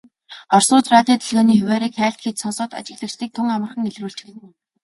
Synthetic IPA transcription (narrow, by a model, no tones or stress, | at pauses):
ɔrsʊːt͡ɕraːt̪iːt̪ʰɵɮɣɔːniːxʊwæːɾiːkχæːɬt̪xet͡ɕ̪sɔnsɔːt̪a̰t͡ɕɪ̆ɣɮə̆kt͡ɕɮiːk̚t̪ʰʊŋamə̆rχə̆ŋeɮruːɬt͡ɕɪ̥̆kt̪